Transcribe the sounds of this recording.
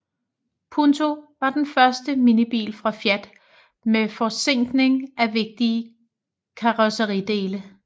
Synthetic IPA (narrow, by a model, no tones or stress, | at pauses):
pʰunt͡sʰo̝ʋɑ̈d̥enfɶɐsd̥əminib̥ḭːlfʁɑ̈fjæd̥ | mefɒseŋ̰ɡ̥ne̝ŋʔæʋe̝ɡ̥̚d̥iə | kʰɑ̈ʁosəʁid̥e̝ːlə